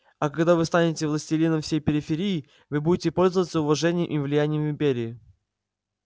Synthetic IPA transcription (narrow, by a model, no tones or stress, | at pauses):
ɐkɐɡd̪avɨst̪anʲɪtʲɪvlˠəsʲtʲɪlʲinəmfsʲejpʲɪɾʲɪfʲɪɾʲijɪ | vɨbudʲɪtʲɪpo̞lʲzəvət̪səʊvɐʐɛnʲɪjəmʔimvlʲɪjænʲɪjəmvʲɪmbʲeɾʲɪɪ